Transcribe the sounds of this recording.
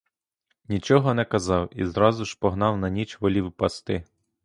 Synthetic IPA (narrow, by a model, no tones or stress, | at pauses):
nʲit͡ʃɔɦɔnɛkɐzɑwḭzɾɑzʊʃpɔɦnɑwnɐnʲit͡ʃʋɔlʲiwpɐst̪ɪ